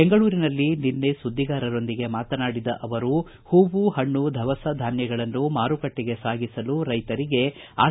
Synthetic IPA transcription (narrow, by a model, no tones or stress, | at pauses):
eŋɡɐɭuːɾinɐlːininːesud̪ʱːiɡaːɾɐɾo̞nd̪iɡe̞maːt̪ɐnaːɽid̪ɐʔɐʋɐɾu | huːʋuhɐɳːud̪ʱɐʋɐsɐd̪ʱaːnjɐɡɐɭɐnːumaːɾukɐʈːiɡe̞saːɡisɐluɾɐjt̪ɐɾiɡe̞a̰ː